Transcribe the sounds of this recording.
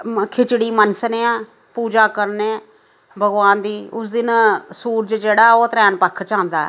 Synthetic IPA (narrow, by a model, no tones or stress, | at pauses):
kʰɪt͡ʃɽiːmənsneːãː | puːd͡ʒãːkəɾneː | bʱəɡʋaːnd̪iːʊsd̪ɪnsuːɾt͡ʃd͡ʒeːɽaːoːt̪ɾɛːnpəkʰt͡ʃãːnd̪a̰ːɛ̰